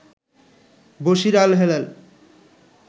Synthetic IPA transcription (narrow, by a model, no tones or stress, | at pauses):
boʃiɾalɦelel